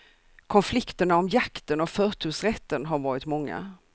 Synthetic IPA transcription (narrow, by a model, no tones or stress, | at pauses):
kʰɔnflɪkt̪əɳaɔmjakt̪ənɔfœːt̪ʰʉ̟ːsɾɛt̪ːənɦaɾvɑːɾɪt̪mɔŋːa̰